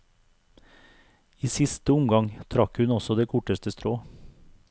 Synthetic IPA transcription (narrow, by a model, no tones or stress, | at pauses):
iːsɪst̪əʊmɡɑŋt̪ʰɾɑkhʉnɔsɔd̪eːkʰʊʈəst̪əst̪ɾoː